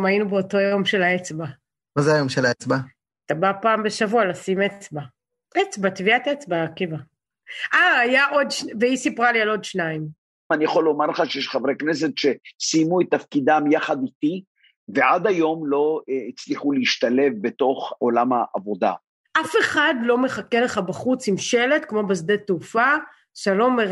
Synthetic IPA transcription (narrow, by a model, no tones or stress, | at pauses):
mainubeoto̞jo̞mʃe̞laet͡sba | mazeajomʃelaet͡sba | at̪abapaːmbeʃavualasimet͡sba | et͡sbat̪viat̪et͡sbakeva | ʔaːjaʔo̞d̪ʃveisipʁalialodʃnaim | anijaχo̞lomaʁleχaʃejeʃχavʁeknes̬e̞t̪ʃe̞sijmuet̪ːafkid̪amjaχad̪it̪i | veʔad̪ajo̞mlo̞it͡sliχuleiʃt̪ale̞vbe̞t̪o̞χolamhaʔa̰vo̞d̪a̰ | ʔafe̞χad̪lo̞me̞χakeleχabaχut͡simʃe̞le̞t̪kmo̞basd̪et̪ufa | ʃalo̞meʁ